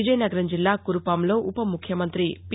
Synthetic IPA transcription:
id͡ʒɐjnɐɡɐɾɐmd͡ʒilːaːkuɾupaːmlo̞ːʔupɐmukʰjɐmɐnt̪ɾip

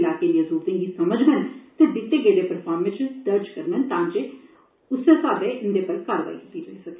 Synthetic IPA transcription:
laːkeːnəzuːt̪ẽːɡiːsəməd͡ʒmənt̪eːd̪ɪt̪ːeːɡeːleːpəɾpʰaːɾmɪt͡ʃd̪əɾd͡ʒkəɾnənt̪ãːnd͡ʒeː | ʊseːsaːd̪eːʔɪnd̪eːpəːikaːɾʋa̰ːḭkit̪iːɾəɦisəkeː

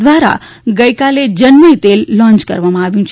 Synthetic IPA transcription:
ʋaɾa̰ɡəjkaled͡ʒənmit̪elːɔ̃nt͡ʃkə̰ɾʋamãaʋjũt͡ʃʰ

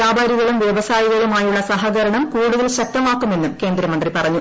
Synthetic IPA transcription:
aːbʱaːɾiɣɐɭumʋjeʋɐsaːjiɣɐɭumaːjuɭːɐsɐɦɐɣɐɾɐɳɐmkuːɽuðɐlɕɐk̚t̪ɐmaːkːume̞nːumke̞ːnd̪ɾɐmɐnd̪ripɐrɐɲːu

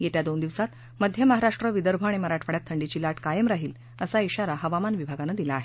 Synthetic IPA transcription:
jet̪jad̪ond̪iʋsat̪ | məd̪ʱjəməɦaɾaʂʈɾəʋid̪əɾbʱəaɽ̃iməɾaʈʰʋəɽjat̪ʰːəɳɖit͡ɕiːlaʈkajəmɾaɦiːl | əsaiɕaɾaɦəʋamanʋibʱaɡanəd̪ilaːɦe

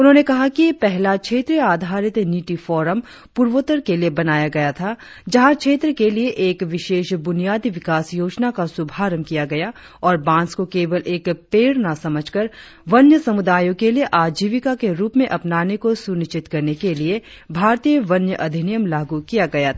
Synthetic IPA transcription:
ʊnɦõːnekɐɦakiepɛɦlakʃʰeːt̪ɾijaːd̪ʱaːɾɪt̪niːʈifɔːɾəm | puːɾʋot̪əɾkeliebɐnaːjaɡɐjat̪ʰa | d͡ʒɐɦãkʃʰeːt̪ɾəkelieʔeːkʋɪʃeːʃbʊnijaːd̪iʋɪkaːsjoːd͡ʒnakasʊbʱaːɾəmkijaɡɐja | ɔːɾbãːnskokeːʋəlʔeːkpeːɽnasɐməd͡ʒʱkəɾ | ʋɐnjəsɐmʊd̪aːjõkelieʔaːd͡ʒiːʋɪkakeɾuːpmẽʔɐpnaːnekosʊnɪʃt͡ʃɪt̪kɐɾnekelie | bʱaːɾt̪ijəʋɐnjəʔɐd̪ʱɪnijəmlaːɡukijaɡɐja

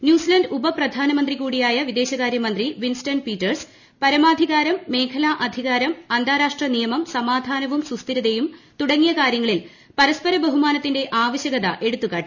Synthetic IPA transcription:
njuːsilɐndubɐprɐd̪ʱaːnɐmɐnd̪rikuːɽijaːjɐʋid̪e̞ːɕɐɣaːɾjɐmɐnd̪riʋinstɐnpiːtːɐrs | pɐɾɐmaːd̪ʱiɣaːɾɐmːe̞ːkʰɐlaːʔɐd̪ʱiɣaːɾɐmɐnd̪aːɾaːʂʈrɐnijɐmɐmsɐmaːd̪ʱaːnɐʋumsust̪iɾɐðejumt̪uɽɐŋːijɐkaːɾjɐŋːɐɭil | pɐɾɐspɐɾɐbɐɦumaːnɐt̪ːinde̞ʔaːʋɐɕjɐɣɐðɐʔe̞ɽut̪ːukaːʈːi

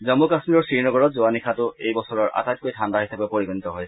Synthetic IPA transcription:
zɔmukasmiɹɔɹsɹiɹnɔɡɔɹɔtzoanikʰatʊejbɔsɔɹɔɹʔa̰tajt̚kojtʰanbaɦisabɔpoɹiɡɔnitɔɦɔj

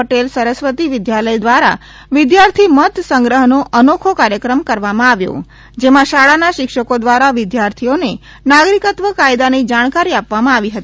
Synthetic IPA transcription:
əʈelsəɾəsʋət̪iʋɪd̪jaləjd̪ʋaɾa̰ | ʋɪd̪jaɾt̪ʰimət̪səŋɡɾəɦnoʔənokʰokaɾjəkɾəmkəɾʋamãaʋjo̰ | d͡ʒemãʃaɭanaʃɪkʃəkod̪ʋaɾaʋɪd̪jaɾt̪ʰione | naɡɾikət̪ʋəkajd̪anid͡ʒaɽ̃kaɾiapʋamãaʋiɦət̪i

